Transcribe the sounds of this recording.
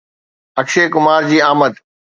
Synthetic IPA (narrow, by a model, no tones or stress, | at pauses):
ɐkʃeːkʊmaːɾd͡ʑiːaːməd̪